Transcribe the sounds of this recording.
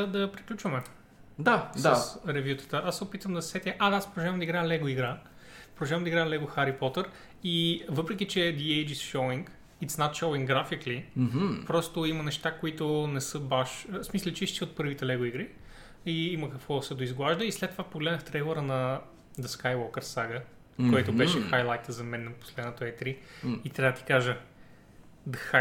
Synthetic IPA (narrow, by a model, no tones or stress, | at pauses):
d̪ɐpɾiklʲut͡ʃvəmɛ | d̪asəsɾɛvjut̪ə̥t̪əʔassɛopit̪vəmd̪ɐssɛt̪ʲɐʔad̪aaspɾodʒavəmd̪ɐiɡɾalɛɡoiɡɾa | pɾoʒavəmd̪iɡɾalɛɡoxaɾipɔt̪əɾ | ivɤpɾɛk̬ʲit͡ʃɛd̪iɛjd͡ʒisʃowiŋk | it̪snat̪ʃowiŋɡɡɾafiklim̩pɾɔst̪oimɐnɛʃt̪akoit̪ʊnɛsɤbaʃsmislʲət͡ʃɛʃt̪iot̪̚pɤɾvit̪ɛlɛɡoiɡɾi | iiməkəkvɔsɛd̪ʊizɡlˠaʒd̪əislɛt̪ːovapoɡlɛd̪nəxt̪ɾɛjlˠəɾənɐ | d̪ɐskajwɔkəɾsaɡə | koɛt̪ʊbɛʃɛxajlˠajt̪əzɐmɛnːɐpo̥slɛd̪not̪oɛt̪ɾiit̪ɾʲaəd̪ət̪i̥kaʒə | d̪ɐxa